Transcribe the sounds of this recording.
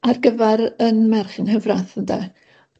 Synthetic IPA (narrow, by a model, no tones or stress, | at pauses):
arɡəvɛɾənmɛrχɪnhəvraθənda̰